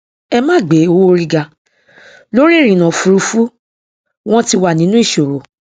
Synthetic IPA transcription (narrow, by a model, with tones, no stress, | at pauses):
ɛ˧mãː˦˨ɡ͡be˨˦o˧˦wo˦ɾi˧ɡa˧ | lo˦ɾi˦˨ɾ̃ĩ˨nã˨fu˨˧ɾu˧fu˦ | w̃ɔ̃˦ti˧wa˨nĩ˨˦nũ˦i˦˨ʃo˨ɾo˨